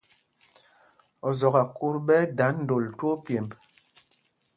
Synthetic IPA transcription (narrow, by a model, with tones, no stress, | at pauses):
ɔ˨zɔ˨ɣa˨ku˦ɾbɛ˦da˨˦nn̩˦do˨lto˦pje˨mb